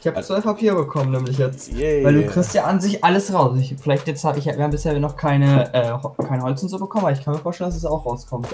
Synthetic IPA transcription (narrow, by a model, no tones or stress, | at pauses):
ɪçhaːbət͡svaɪpʰapʰiːʁəbəkʰɔmənɛːmlɪç̬jɛt͡stvaɪlduːkʁ̥ɪstjaːʔanzɪçʔaləsʁaʊsɪçfɪlaɪçtjɛt͡sthaːbɪçhaːbiɐhaːmbɪsheːɐiɐnɔχkʰaɪnəʔɛːhɔkʰaɪnəhɔlt͡ssɪnzuːbəkʰɔmnʔabɐɪçkʰanmiːɐfoːʃtɛlndas̬ɛsaʊxʁaʊskʰɔmt